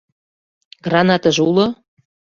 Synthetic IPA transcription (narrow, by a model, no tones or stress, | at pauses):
ɡ̥rɑnɑt̪ə̆ʒulo